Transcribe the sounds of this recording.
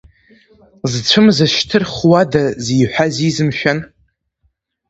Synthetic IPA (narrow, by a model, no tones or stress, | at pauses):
zt͡ɕʷʰɨmzaʃtʰɨrχwadazijħʷᶣazizɨmʃᶣan